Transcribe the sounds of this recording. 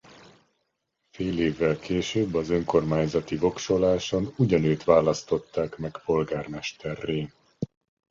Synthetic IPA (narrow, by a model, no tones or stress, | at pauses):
feːleːvːɛlkeːʃøːbːɒzø̞ŋko̞rmaːɲzɒt̪ivo̞kʃo̞laːʃo̞nuɟɒnøːt̪ʋaːlɒst̪o̞t̪ːaːkmɛkpo̞lɡaːrmɛʃt̪ɛrːeː